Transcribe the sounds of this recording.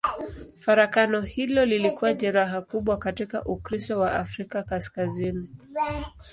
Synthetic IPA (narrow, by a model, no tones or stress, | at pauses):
faɾakanɔhilɔlilikuwaʄɛɾaɦakuɓwakatika̰ʔukɾisɔwaʔafɾikakaskazini